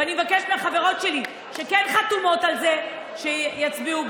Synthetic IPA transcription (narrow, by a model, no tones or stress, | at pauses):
animevakeʃmeaχaveʁo̞tʃeli | ʃekenχatumo̞talze̞ | ʃejat͡sbiub